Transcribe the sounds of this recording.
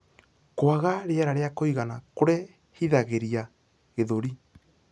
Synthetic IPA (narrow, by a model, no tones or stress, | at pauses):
kwaɣaɾeɛɾaɾeakoiɣanakoɾe | hiðaɣeɾia | ɣeðoɾi